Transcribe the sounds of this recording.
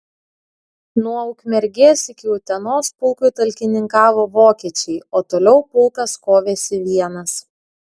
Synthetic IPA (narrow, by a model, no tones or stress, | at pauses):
nuɔʊkmʲɛɾʲɡʲeːsɪkʲɪʊt̪ʲɛnoːspʊlˠkuːˑt̪ɐlʲkʲɪnʲɪŋkɑːʋoːʋoːkʲiɛt͡ʃʲɛɪoːt̪oːlʲɛʊpʊlˠkɐskoːʋʲeːsʲɪʋʲiɛnɐs